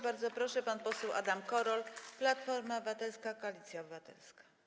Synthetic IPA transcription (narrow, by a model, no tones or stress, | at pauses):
baɾd̪zɔpɾɔʂɛpanpɔsɛwʔa̰d̪amkɔɾɔlplat̪fɔɾmabɘvat̪ɛlskakɔalʲit̪sʲjaɔbɘvat̪ɛ̰lskḁ